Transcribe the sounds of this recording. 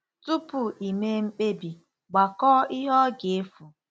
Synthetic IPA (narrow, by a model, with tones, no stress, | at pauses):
tu˦pʊ˨i˨me˦ŋ͡m̩˦k͡pe˦bi˨ | ɡ͡ba˨kɔː˦ɪ˦ɦɔ˦ɡɪ˨e˦fu˨